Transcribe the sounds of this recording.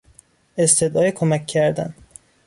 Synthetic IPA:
est̪ʰed̪ʔɒːjekʰomækʲʰːæɾd̪æ̰n

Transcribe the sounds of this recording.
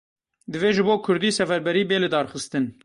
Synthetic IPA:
d̪ɨveːʒɨboːkʰʊɾd̪iːsɛfɛɾbɛɾiːbeːlɨd̪ɑːɾxɨst̪ɨn

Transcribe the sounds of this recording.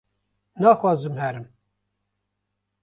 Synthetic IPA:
nɑːxwɑːzɨmhɛɾɨm

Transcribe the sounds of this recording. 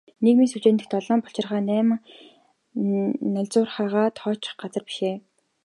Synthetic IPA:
nekmiːŋsut͡ɕeːnt̪ɘ̆xt̪ʰɔɮɔːmpɔɬt͡ɕɪ̆rʁaːnæːm | nœɮʲt͡sʊːrχaːʁaːt̪χɔːt͡ɕɪ̥̆χɢat͡sə̆rpi̥ʃeː

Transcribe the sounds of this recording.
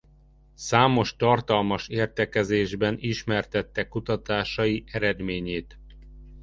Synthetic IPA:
saːmo̞ʃt̪ɒrt̪ɒlmɒʃeːrt̪ɛkɛzeːʒbɛniʃmɛrt̪ɛt̪ːɛkːut̪ɒt̪aːʃɒjiʔɛɾɛd̪meːɲeːt̪

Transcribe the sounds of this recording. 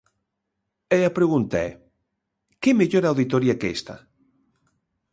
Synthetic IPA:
ɛapɾeɣunt̪aɛ̰ | kemeʎoɾawðit̪oɾjakest̪a̰

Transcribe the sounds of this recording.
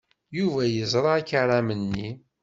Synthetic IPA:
juvæjəzˤɾˤɑækaɾˤæmənːi

